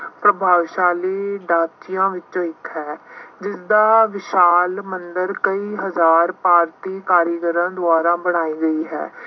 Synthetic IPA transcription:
pɾəbʱaːʋʃaːleːɖaːt̪ɪjãːʋɪt͡ʃt͡ʃõːɪkɦɛːd͡ʒɪsd̪aːʋɪʃaːlmənd̪əɾkəiːɦəzaːɾpaːɾt̪iːkaːɾjəɡəɾãːd̪ʊaːɾãːbəɽ̃aːiːɡəiːɦɛ̰ː

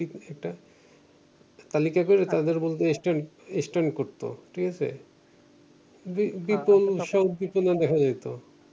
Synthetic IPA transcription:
iɛk̚ʈa | t̪alikakoɾet̪ad̪eɾbolt̪eesʈaɳ | esʈaɳkoɾt̪o̰ʈʰikat͡ɕʰḛ | bibipolʃɔd̪̚biponad̪ɛkʰad͡ʑajt̪o

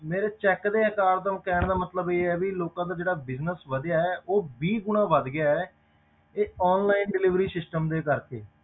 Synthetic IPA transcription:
meːɾeːt͡ʃɛːkd̪eːɛːkaːɾd̪əmkɛːɳd̪aːmət̪ləbeːɛːʋiloːkãːd̪aːd͡ʒeːɽaːbɪznəsʋəd̪jaːɛːʔoːbiːɡʊɳãːʋəd̪ɡɪjaːɛː | eːɔːnlaːɪnɖɪlɪʋɾiːsɪsʈəmd̪eːkəɾkḛː

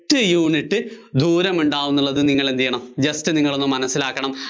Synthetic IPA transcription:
tːɨjuːɳiʈːɨ | d̪ʱuːɾɐmuɳɖaːʋunːuɭːɐðɨniŋːɐɭend̪ijːɐɳɐmd͡ʑɐstɨniŋːɐɭo̞nːumːɐnɐsːilaːkːɐɳɐm

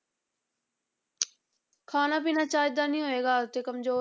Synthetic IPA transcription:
kʰaːnaːpiːnaːt͡ʃaːjd̪aːnĩːɦoːeːɡaːt̪eːkəmzoː

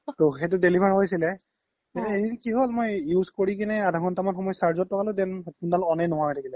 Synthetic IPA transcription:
toxet̬ʊdelibʱaɹɦojsilɛ | ɛnɛedinkiɦolmojjuzkoɹikinɛadʱakʰɔntamɔnxɔmɔjɔsaɹzɔtːɔkalodɛnɔtkundalɔnɛnɔɦaɹɔtʰakilɛ

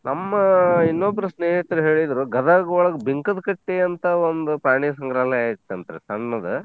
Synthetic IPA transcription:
nɐmːɐinːobːɐɾɐsneːɦit̪ɾuɦe̞ːɭid̪ɾuɡɐd̪aːɡɐʋɔɭɐɡɐbiŋkɐd̪ɐkɐʈːeɐnt̪ɐond̪upɾaːɳiːsɐŋɡɾaːlɐjaːjit̪ːeɐnt̪ɐɾesɐnːɐd̪ɐ

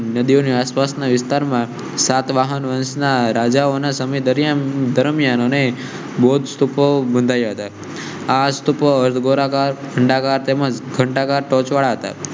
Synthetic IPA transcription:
nəd̪ioniaspasnaʋɪst̪aɾmã | sat̪ʋaɦənʋənsnaɾad͡ʒaonasəməjd̪əɾjad̪əɾmijanəne | bod̪st̪upobənd̪ʱajaɦət̪a | ast̪upoəɾt̪ʰɡoɾakaɾkʰəɳɖakaɾt̪eməd͡ʒɡʱəɳʈakaɾʈɔt͡ʃʋaɭaɦət̪a̰

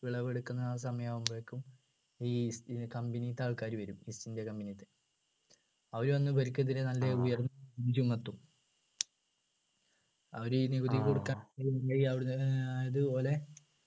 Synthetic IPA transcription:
ʋiɭɐʋeɽukːunːɐːs̬ɐmɐjaːʋumbeɭkːum | iːskɐmbinit̪ːaːɭkaːɾuʋɐɾumisindekɐmbinit̪ːɨ | ɐʋɐɾuʋɐnːɨbɐɾikʲːɐðiɾenɐlːeujɐrnːɐind͡ʑumɐt̪ːum | ɐʋɐɾuniɡuðikːoɽukːaːnɐjaːjiɐʋɽjɐðɨpo̞ːle̞

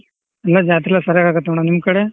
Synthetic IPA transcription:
ɐlːad͡ʒaːt̪ilːɐsɐɾjaːɡaːɡɐt̪ːɐɳanimːkɐɽe

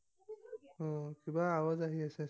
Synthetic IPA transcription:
ɔ̃kibaːwazaɦiasɛ

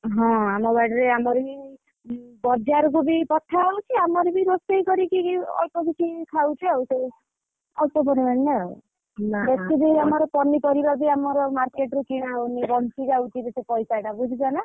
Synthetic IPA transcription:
ɦɔ̃amɔbaʈɔɾeamɔɾebi | bɔd͡ʒaɾɔk̬ubipɔʈʰːaawt͡ʃʰiamɔɾebiɾost̪eikɔɾikiɔ̰lpɔbikʰikʰawt͡ʃʰiawse | ɔlpɔbɔnemanːea̰ | nabetibiamɔɾɔpɔnːipɔɾibaɾbiamɔɾɔmaɾkeʈɾukiɽ̃awnibɔnt͡ʃʰid͡ʒawt͡ʃʰibisepɔjsajɽabud͡ʒʱibana

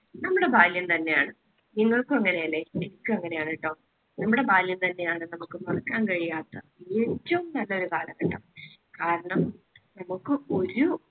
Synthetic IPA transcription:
nɐmːuɽe̞bʱaːljɐnt̪ɐnːe̞jaːɳɨ | niŋːɐɭkɨmɐŋːɐne̞jɐlːeːenikʲːumɐŋːɐne̞jaːɳiʈːoː | nɐmːuɽe̞baːljɐmt̪ɐnːe̞jaːɳɨnɐmukːɨmɐrɐkːaːnkɐɻijaːt̪ːɐ | eːtːɐʋumnɐlːɐo̞ɾukaːlɐŋkɐʈːɐm | kaːɾɐɳɐmnɐmukːɨo̞ɾu

